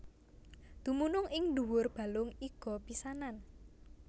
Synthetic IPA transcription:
d̪̥ṳmunʊŋɪŋd̪uwʊrb̥a̤lʊŋiɡ̥ɔ̤pisanan

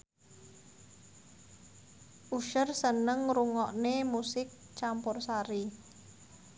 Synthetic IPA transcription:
ʔuʃərsənəŋɾuŋɔʔnemusɪk̚ | t͡ʃampʊrsaɾi

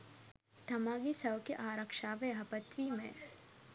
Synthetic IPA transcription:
d̪ʱɐmaːɡisɐʋkeʔaːɾɐkʃaːʋejɦɐpɐt̪ʋimẽ

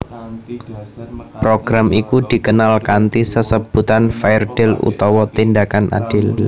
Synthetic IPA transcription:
pɾoɡ̥ɾamʔikud̥i̤kənalkant̪isəsəb̥ut̪anfaɪrd̥ɪlṵt̪ɔwɔt̪indakanʔa̰d̥ɪl

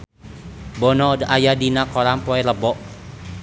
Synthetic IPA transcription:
bɔnɔdəʔajadinakɔɾaŋpɔɛləbɔʔ

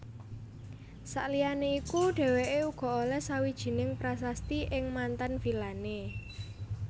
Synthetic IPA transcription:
sa̰ʔlijaneikuɖ̥ɛ̤weʔeuɡ̥ɔ̤olɛhsawid̥ʒ̥i̤nɪŋpɾasast̪iʔɪŋmant̪anfilane

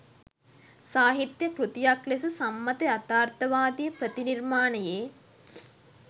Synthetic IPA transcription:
saːɦit̪jəkɾut̪ijaklesəsamːɐt̪eat̪aːrt̪ɐʋaːd̪ijəpɾət̪inirmaːnəjeː

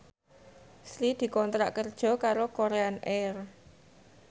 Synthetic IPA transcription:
sɾid̪̥i̤kɔnt̪ɾa̰ʔkərd̥ʒ̥ɔ̤kaɾokoɾeanʔɛr

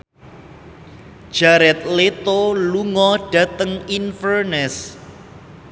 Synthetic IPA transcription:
d̥ʒ̥aɾɛt̪̚let̪oluŋɔɖ̥ä̤t̪əŋinfərnɛs

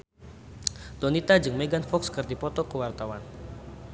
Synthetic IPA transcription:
d̪ɔnit̪ad͡ʒɨŋmeɡanfɔkskɨrd̪ipɔt̪ɔkəwart̪awan

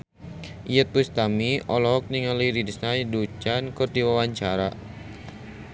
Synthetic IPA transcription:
ijət̪̚pust̪amiɔlɔɦɔk̚niŋaliɾidisnajdut͡ʃankərdiwawaɲt͡ʃaɾa

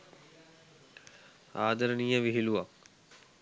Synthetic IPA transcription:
aːd̪əɾənijəʋiɦiluʋak̚

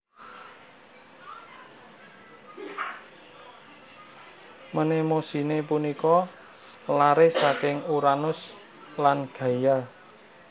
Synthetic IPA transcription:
mənemosi̤nepunikɔ | laɾɪhsakɪŋuɾanʊs | lanɡ̥ä̤ja

